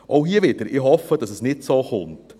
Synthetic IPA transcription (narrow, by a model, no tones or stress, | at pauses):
ʔoʊɦiːəvɪd̥əɾɪɦɔfəd̥ɑsəsnɪtsoːχʊnt